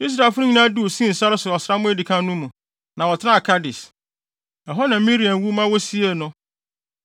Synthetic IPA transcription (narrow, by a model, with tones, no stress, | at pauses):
i˦s̬ɾa˨fʊ˦nʊ̃˦ɲĩ˦nã˦du˦o˨sĩ˦˨sa˦ɾɪ˦sʊ˨ɔ˨sɪ˨ɾa˦mʊ̃˦æ˦di˨kʰã˦nʊ̃˦mũ˨ | nã˨wɔ˨tʰɪ˦nã˦a˨kʰa˦dɪ˨s | ɛ˨ɦɔ˦nã˨˦mĩ˦ɾi˨ã˨nwu˦mã˦wɔ˦si˦e˦˨nʊ̃˦